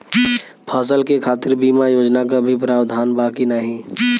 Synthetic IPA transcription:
pʰaːs̬əlkekʰaːt̪iɾbimajoːd͡ʒnakabʱipɾaːbd̪ʱaːnbakinaɦĩ

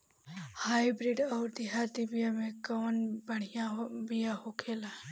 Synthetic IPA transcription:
haːibɾiɖɔːɾd̪ɪɦaːɾd̪ibijamẽkɔːnbəɽ̤ɪjãbijaɦhokʰeːla

